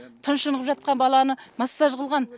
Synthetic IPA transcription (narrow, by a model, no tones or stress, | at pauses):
t̪ʰʊnʃənəʁəpʒɑt̪̚qɑnbɑlˠɑnəmɑsːɑʒʁəlˠʁɑn